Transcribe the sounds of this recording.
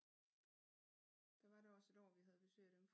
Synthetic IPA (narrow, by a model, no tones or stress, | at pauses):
d̥ɑ̈ʋɑ̈deɒ̽se̝d̥ɒ̰ːʋiɦæð̞̩ˠb̥e̝sø̰ːɪd̥emf